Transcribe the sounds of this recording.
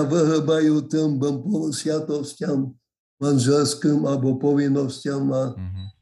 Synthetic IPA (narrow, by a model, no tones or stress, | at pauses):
avɨɦəbajut̪ɨmbəmpɔsvʲjat̪ɔscam | manʒɛlskɨmalbɔpɔvinːɔscama